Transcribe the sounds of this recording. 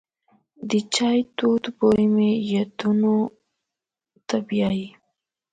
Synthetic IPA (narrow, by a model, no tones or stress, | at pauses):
d̪ət͡ʃɑjt̪od̪bojmejad̪uno | t̪abjɑji